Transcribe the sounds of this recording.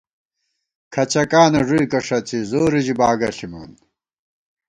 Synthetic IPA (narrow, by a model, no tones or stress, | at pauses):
kʰɐt͡ɕɐkaːnɐʐuikɐʂɐt͡sʰizoːɾid͡ʑibaːɡɐɬimṵːn